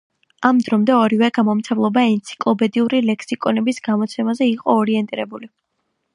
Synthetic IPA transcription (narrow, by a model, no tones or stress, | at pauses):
amd̪ɾɔmd̪ɛɔɾivɛɡamɔmt̪sʰɛvlˠɔbaɛnt̪sʰi̥kʼlˠɔpɛd̪iuɾilɛkʰsikʼɔnɛbisɡamɔt̪sʰɛmazɛiqʼɔːɾiɛnt̪ʼiɾɛbuli